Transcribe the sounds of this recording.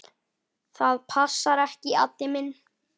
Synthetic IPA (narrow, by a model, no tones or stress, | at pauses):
θaðpʰasːaɾɛhcɪa̰t̪ːɪmɪnː